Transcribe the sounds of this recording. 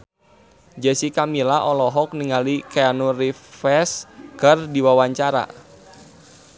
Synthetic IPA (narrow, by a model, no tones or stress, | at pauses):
d͡ʒɛsikamilaʔɔlɔɦɔk̚niŋalikeanurifɛskərdiwawaɲt͡ʃaɾa̰